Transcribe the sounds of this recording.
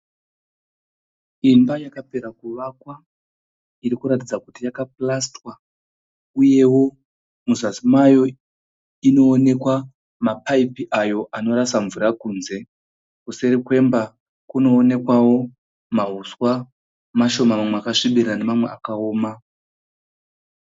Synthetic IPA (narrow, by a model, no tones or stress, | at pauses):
imbajakape̞ɾakuʋakwa | iɾikuɾatid͡zakutijakaplastwa | uje̞wo̞ | muzasimajo̞ | ino̞ːne̞kwa | mapaipiʔajo̞ʔano̞ɾasaɱvuɾakuːnze̞ | kuse̞ɾikwe̞mba | kuno̞ːne̞kwawo̞ | maɦuswa | maʃo̞mamamweakaʂiɓiɾane̞mamwe̞akao̞ːma